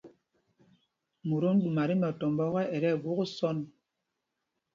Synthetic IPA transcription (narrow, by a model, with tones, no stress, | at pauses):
mu˨ɾo˦n̩˦ɗu˨ma˨ɾi˦nɔ˨tɔ˨m˨bɔ˦ɣɛ˦ʔɛ˨ɾɛ˦˨ɡu˦ɣu˦sɔ˦n